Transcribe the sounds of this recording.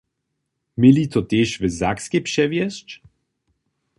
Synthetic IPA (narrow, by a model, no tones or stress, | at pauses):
milit̪ot̪ʲɛʃvəzakskɛpʂɛvjɛst͡ʃ